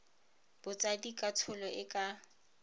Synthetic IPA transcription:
b̥ʊt͡sʼadikʼatʰʊlɔʔɪkʼa

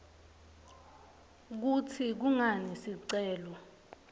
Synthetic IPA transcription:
k̬utʰik̬uŋanesiǀɛːlɔ

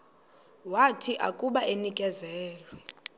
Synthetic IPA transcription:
watʰiʔakʼuɓaenikʼɛzɛːlɛ

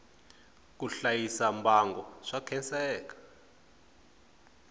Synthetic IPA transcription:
k̬uɬajisambʱaŋɡɔʂakʰɛnsɛːk̬ḁ

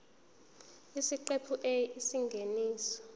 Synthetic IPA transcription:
isiǃepʰuʔeisiŋɡʱeniːsɔ̥

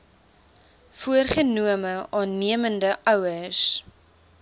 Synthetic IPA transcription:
fuərχənuəməʔɑːnːiəməndəʔœwəs

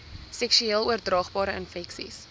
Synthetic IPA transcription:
sɛksyeːlˠuərdrɑːχbɑːɾəənfɛksḭs

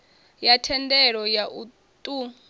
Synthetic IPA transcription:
jatʰɛndɛɺɔjaʔu | tʼu

